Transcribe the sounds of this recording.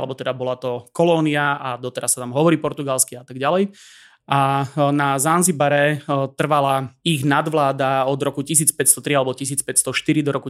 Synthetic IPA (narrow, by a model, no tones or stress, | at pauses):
lɛbɔt̪ɛd̪abɔlat̪ɔkɔlɔːniaad̪ɔt̪ɛɾasːat̪amɦɔʋɔɾiːpɔɾt̪uɡalskiat̪aɡɟalɛj | ʔanazanzibaɾɛt̪r̩ʋalaiɣnad̪ʋlaːd̪aɔd̪ɾɔkucis̬iːt͡spɛtst̪ɔt̪ɾialɛbɔcis̬iːt͡spɛtst̪ɔʃt̪iɾid̪ɔɾɔku